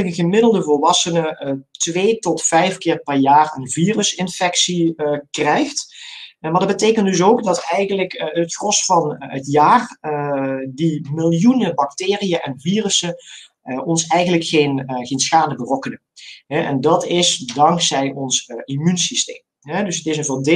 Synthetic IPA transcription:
ləkəɣəmɪdəlˠdəvʊlˠʋɑsənətʋeːtɔtfɛjfkɪːrpɛɹjaːrə̰nviːrəsɪnfɛksikrɛjxtmaːɹdɑd̚bəteːkəntdɵs̬owkdɑtɛjɣənləkətxrɔsfɑnətjaːr | dimɪlˠjunəbɑk̚tɪːrijəʔɛnviːrəsə | ʔɔnsɛjɣənləkxejnɣejnsxaːndəbərɔkənə | ɦɛʔɛ̰ndɑtɪsdɑŋksɛjɔnsimynsistḛːm | ɦɛdɵsətɪsənvɔndɪ

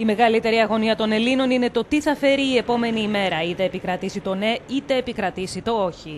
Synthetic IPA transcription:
ime̞ɣɐlit̪e̞ɾiɐɣo̞niɐt̪o̞ne̞lino̞nine̞t̪o̞t̪iθɐfe̞ɾiːe̞po̞me̞niːme̞ɾɐit̪e̞ːpikɾɐt̪isit̪o̞ne̞it̪e̞ːpikɾɐt̪isit̪o̞o̞çi

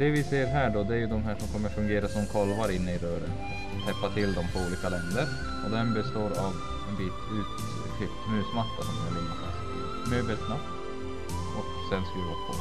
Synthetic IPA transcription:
d̪̥ɛvɪseːəɾɦæːɖɔd̪ɛæɾjɵd̪ɔmɦæːʂɔmkʰɔmːəɾfɵŋɡeːɾasɔmkʰɔlvaɾɪnːəɪɾøːɾənfɾat̪hʰɛpːat̪ʰɪld̪ɔmpʰɔuːliːkalɛnd̪əɾ | ɔd̪ɛmbɛst̪oːɾav | ɛnbiːt̪ʰʉ̟ːt̪ | t̪ʰːɪlkʰnʉ̟ːsmat̪ːaʂɔmhæ̰ɭɪmːat̪a̰ | møːbəlt̪nat̪ː | ʔɔksɛnskɾiːvapʰɔ̰

